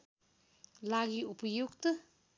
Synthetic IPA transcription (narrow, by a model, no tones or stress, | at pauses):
laɡiupəjuk̚t̪ə